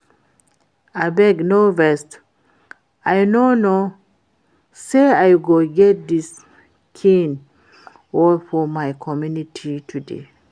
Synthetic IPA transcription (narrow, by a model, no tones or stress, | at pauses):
abɛɡnovɛst | ajnono | seajɡoɡɛt̚d̪is | kʰĩn | wɔlfɔmaɪkʰɔmjunitʰitʰudḛ